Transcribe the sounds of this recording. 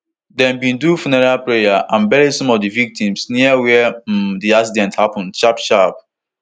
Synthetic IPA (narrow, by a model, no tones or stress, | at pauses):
dɛ̃mbĩndufunɛɹalpɹejaʔãnbɛɾisɔ̃mɔvdivik̚tĩmsniawɛdiaksidɛ̃nthapɔ̃ndʃapʃap